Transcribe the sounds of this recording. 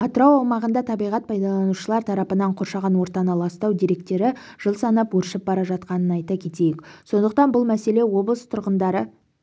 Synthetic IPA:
ɑt̪əɾɑwɑwmɑʁənd̪ɑt̪ʰɑbijʁɑt̪̚pʰɑjd̪ɑlˠɑnuʃəlˠɑɾt̪ʰɑɾɑpənɑɴqʰo̞ɾʃɑʁɑnwo̞ɾt̪ɑnəlˠɑst̪ɑwd̪ijɾe̞k̚t̪e̞ɾɪ | ʒ̥əlˠsɑnɑpwɵɾʃɪp̚bɑɾɑʒɑt̪qɑnənɑjt̪ɑkʲʰe̞t̪e̞jɪkso̞nd̪əqt̪ɑnbʊlˠmæse̞le̞wo̞blˠəst̪ʰʊɾʁənd̪ɑɾə

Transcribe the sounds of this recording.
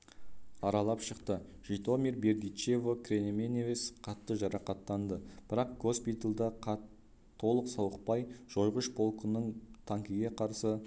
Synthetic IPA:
ɑɾɑlˠɑpʃəqt̪əʒ̥ijt̪o̞mʲerbe̞ɾd̪it͡ʃe̞vokʰɾenemenevesqʰɑt̪ːəʒɑɾɑqɑt̪ːɑnd̪əb̥ɪɾɑq̚ɡ̥o̞spʲit̪əlˠd̪ɑq̪ʰː | o̞lˠəqsɑwəq̚pɑjʒ̥o̞jʁəʃpo̞lˠkənəɴt̪ʰɑŋkʲəɡʲe̞qʰɑɾsə

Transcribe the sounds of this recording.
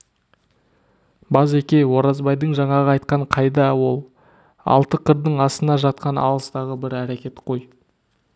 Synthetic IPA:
bɑzekʲe̞jwo̞ɾɑzbɑjd̪əɴʒɑɴɑʁəɑjt̪̚qɑɴqʰɑjd̪ɑwo̞lˠ | ɑ̰lˠt̪əqʰəɾd̪əɴɑsənɑʒɑt̪̚qɑnɑ̰lˠəst̪ɑʁəbɪɾæɾekʲe̞t̪qʰo̞j

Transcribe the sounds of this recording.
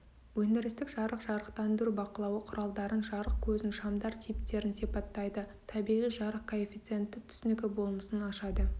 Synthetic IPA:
wɵnd̪ɪɾɪst̪ɪkʒɑɾəqʒ̥ɑɾəqt̪ɑnd̪ʏɾubɑqəlˠɑwəqʰʊɾʔɑlˠd̪ɑɾənʒɑɾəq̚kʲʰɵzɪnʃɑmd̪ɑɾt̪ʰijp̚t̪e̞ɾɪnsipɑt̪ːɑjd̪ə | t̪ʰɑbijʁijʒɑɾəqkʰoefit̪sɨe̞nt̪ːɪt̪ʰʏ̥sɪnɪkʲɪbo̞lˠməsənɑʃɑd̪ə

